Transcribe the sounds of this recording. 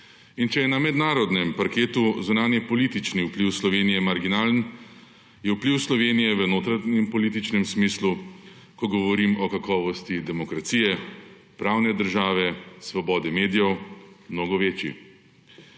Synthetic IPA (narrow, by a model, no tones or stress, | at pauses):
int͡ʃɛjɛnamɛd̪naːɾɔd̪nɛmpaɾkeːt̪uzunaːnjɛpɔliːt̪it͡ʃniwpliwslɔʋeːnijɛmaɾɡinaːln | jɛuwpliwslɔʋeːnijɛʋənoːt̪ɾanɛmpɔliːt̪it͡ʃnɛmsmiːslu | kɔɡɔʋɔɾimɔkakɔːʋɔst̪id̪ɛmɔkɾat̪siːjɛ | pɾawnɛd̪əɾʒaːʋɛsʋɔbɔːd̪ɛmeːd̪ijɛwmnoːɡɔʋeːt͡ʃjḭ